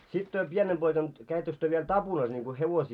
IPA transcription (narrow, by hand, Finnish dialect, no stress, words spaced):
sit tyø pienem poikɑn kæitːøks tyø ʋiel tɑpunɑs niŋko heʋosiː